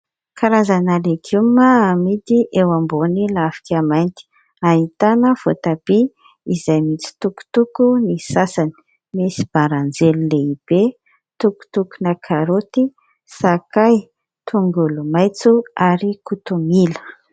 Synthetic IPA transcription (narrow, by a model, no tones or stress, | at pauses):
kaɾazanalekʰumaamit̪iʔewambonilafi̥kʲamajnt̪i̥ | aɦit̪anəfo̰t̪ab̥i | izajmit͡si̥t̪uku̥t̪ukunisasani̥ | mesi̥b̥aɾand͡zelileib̥e | t̪uku̥t̪ukunakʰaɾot̪i | sakaj | t̪ʰuŋɡulumajt͡suaɾikut̪umilə̥